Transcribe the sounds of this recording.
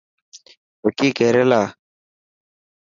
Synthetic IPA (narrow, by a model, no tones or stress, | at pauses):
okikɛɾɛla